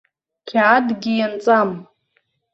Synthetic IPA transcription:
kʲʰaːdɡʲijant͡sʼam

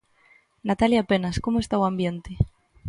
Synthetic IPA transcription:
nat̪aljaːpenaskomoest̪awambjent̪e

